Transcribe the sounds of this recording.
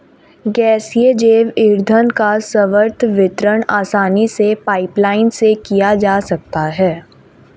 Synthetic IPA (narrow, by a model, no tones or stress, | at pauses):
ɡɛːsjed͡ʒeːʋɪɾd̪ʱənkasəʋəɾt̪ʰʋɪt̪ɾəɽ̃aːsaːnisepaːɪplaːɪnsekijad͡ʒaːsɐk̚t̪aɦɛː